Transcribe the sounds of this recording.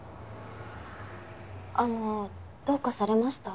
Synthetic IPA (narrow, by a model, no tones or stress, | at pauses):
ano | d̪̥okːasaɾe̞maɕi̥t̪a